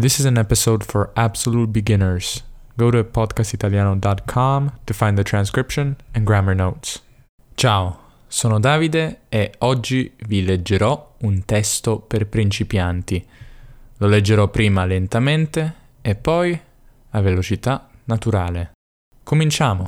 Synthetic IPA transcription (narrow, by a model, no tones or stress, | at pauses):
d̪isizɛ̃nɛpisod̪fɔɹabsolut̪̚biɡinəɹs | ɡowɾupɔd̪kast̪it̪aljaːnod̪ɔt̪kʰɔmt̪ufãj̃nd̪ət̪ɾãnskɾipʃõnɛ̃nɡɾaməɹnowt̪s | t͡ʃao | soːnod̪aːvid̪eeɔd͡ʒːiviled͡ʒːeɾɔunt̪ɛst̪operpɾint͡ʃipjant̪i | loled͡ʒːeɾɔpːɾiːmalent̪ament̪eː | pːɔj | avelot͡ʃit̪anat̪uɾaːle | komint͡ʃaːmo